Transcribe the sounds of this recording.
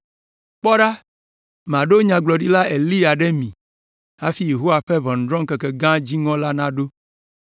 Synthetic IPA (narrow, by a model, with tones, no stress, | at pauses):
k͡pɔ˦ɖa˦ | m˨ã˨ɖo˦ɲã˨ɡ͡blɔ˨ɖi˦la˦e˨li˦a˨ɖɛ˦mĩ˨ | a˦fi˦je˨ɦo˦wa˨ɸɛ˦βɔ̃˨n̩˨d̪ɾɔ̃˦ŋkɛ˨kɛ˨ɡã˦d͡ʑi˦ŋɔ̃˦la˦nã˦ɖo˦